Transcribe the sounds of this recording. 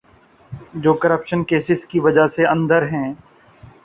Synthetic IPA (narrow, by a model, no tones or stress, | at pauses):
d͡ʒoːkəɾəpʃənkeːsɪskiʋɐd͡ʒaseɐ̃nd̪əɾɦɛ̃ː